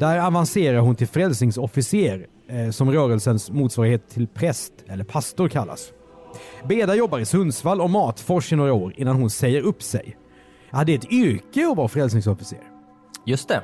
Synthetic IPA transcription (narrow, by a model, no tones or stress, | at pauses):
d̪̥æːɾavanseːɾaɾɦʊnt̪ʰɪlfɾɛlsnɪŋsɔfɪseːɾ | sɔmɾœːɾəlsənsmuːt̪svɑːɾɪɡheːt̪ʰːɪlpʰɾɛst̪ɛlːəɾpʰast̪ʊɾkʰalːa̰s | beːd̪ajɔbːaɾɪsɵnsvfalːɔmɑːt̪fɔʂɪnoːɾaoːɾɪnːanɦʊnsɛjːəɾɵpsɛ̰j | at̪̚d̪ɛɛt̪ʏɾkəobɑːfɾɛlsnɪŋsɔfɪsḛːɾ | jɵst̪ɛ